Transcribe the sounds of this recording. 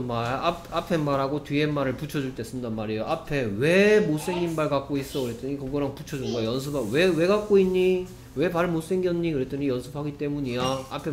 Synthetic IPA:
nmaaapʰe̞maɾaɡotɥie̞mːaɾɯɭput͡ɕʰʌd͡ʑuɭt͈e̞s͈ɯmdanmaɾejoʔapʰe̞we̞mos͈e̞ŋɲimbaɭkak͈ois͈ʌkɯɾe̞t͈ɯɲikʌɡʌɾaŋput͡ɕʰʌd͡ʑunɡʌjjʌnsʰɯbawe̞we̞ɡak͈̚oinːi | we̞paɭmos͈e̞ŋɡjʌnɲikɯɾet͈ɯɲijʌnsʰɯpʰaɡit͈e̞muɲiaa̰pʰe

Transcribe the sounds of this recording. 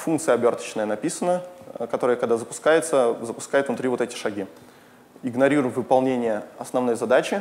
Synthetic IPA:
funkt̪sɨjəɐbʲo̞rt̪ə̥t͡ɕɪnəjənɐpʲisənəkɐt̪o̞ɾəjəkɐɡ̚d̪azəpʊ̥skajɪt̪səzəpʊ̥skajɪt̪vnʊt̪ɾʲivo̞t̪ɛtʲɪ̥ʂɐɡʲi | ɪɡnɐɾʲiɾʊjmvɨpɐlˠnʲenʲɪjəɐsnɐvno̞jzɐd̪at͡ɕɪ

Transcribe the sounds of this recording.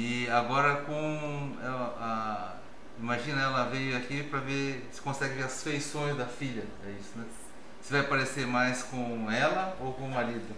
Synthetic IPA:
ɪaɡɔɾɐkõɛa | ĩmaʒĩnɐɛlɐvejʊakipɾɐvesɪ̥kõsɛɡɪveɾɐsfejsõj̃zd̪ɐfiʎɐ | ɛisʊnɛ | sɪvajpaɾesemajskõɛlɐowkõmaɾid̪ʊ

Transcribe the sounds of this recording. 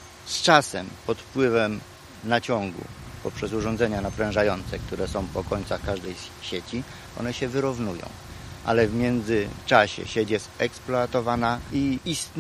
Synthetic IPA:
st͡ʂasɛmpɔt̪fpwɘvɛm | nat͡ɕɔ̃ŋɡṵpɔpʂɛs̬uʐɔ̃nd̪zɛɲanapɾɛ̃w̃ʐajɔnt̪sɛk̚t̪uɾɛsɔ̃w̃pɔkɔɲt̪saxkaʐd̪ɛjɕet͡ɕi | ɔ̰nɛɕɛvɘɾuvnujɔ̰̃w̃ʔa̰lɛvmʲjɛnd̪zɘt͡ʂaɕɛ̰ɕet͡ɕjɛst̪ɛksplɔat̪ɔvanaiist̪

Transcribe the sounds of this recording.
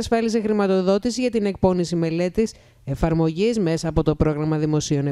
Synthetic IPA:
sfɐlisexɾimɐt̪o̞ðo̞t̪isiʝɐt̪ine̞k̚po̞nisime̞le̞t̪is | e̞fɐɾmo̞ʝizme̞sɐːpo̞t̪o̞pɾo̞ɣɾɐmɐðimo̞sio̞ne

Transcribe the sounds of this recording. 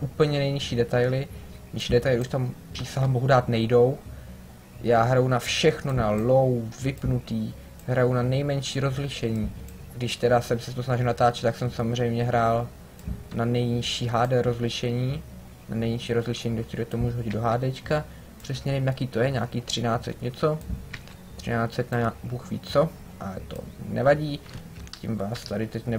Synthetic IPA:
ʔuːpl̩ɲɛnɛjɲɪʃiːdɛt̪ajlɪ | ɲɪʃiːdɛt̪ajlɪʔuʃt̪ampr̥iːsaɦɛmboɦudaːt̪nɛjdo̞w | jaːɦɾajunafʃɛxnonalowvɪpnut̪iː | ɦɾajunanɛjmɛɲʃiːɾo̞zlɪʃɛɲiː | ɡdɪʃt̪ɛdasɛmsɛt̪osnaʒɪlnat̪aːt͡ʃɛt̪t̪ːaksɛmsamozr̝ɛjmɲɛɦɾaːl | nanɛjɲɪʃiːɦaːdɛɾozlɪʃɛɲiː | na̰nɛjɲɪʃiːɾozlɪʃɛɲiːɡdɛʃt̪iɾɛt̪omuːʒuɦoɟɪd̪do̞ɦaːdɛt͡ʃka | pr̥ɛsɲɛvɪmjakiːt̪o̞jɛɲaːkiːt̪r̝̥ɪnaːt͡sɛ̰t̪ɲɛt͡so̞ | t̪r̥ɪnaːt͡sɛt̪naabuːxvḭːt͡so | ʔalɛt̪o̰nɛvaɟiːcɪ̰mvaːst̪adɪt̪ɛcnɛ

